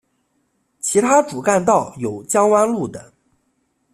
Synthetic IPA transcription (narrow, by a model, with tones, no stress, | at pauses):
t͡ɕʰi˧˥t̪ʰa˥ʈ͡ʂu˨˩ka˥˧nt̪ɑ˥˩ʊjo˨˩ʊt͡ɕjɑ˥ŋwa˥nlu˥˩d̪ə˩